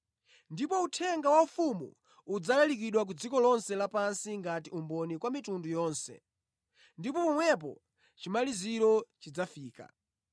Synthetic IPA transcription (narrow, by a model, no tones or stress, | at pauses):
ndipɔutʰɛŋɡawaufumṵ | ud͡zalɛlikiɗwak̬ud͡zikɔlɔnsɛlapansiŋɡatiumbɔnikwamitundujɔːnsɛ̰ | ndipɔpɔmwɛp̬ɔ̰ | t͡ʃimaliziɾɔt͡ʃid͡zafiːka̰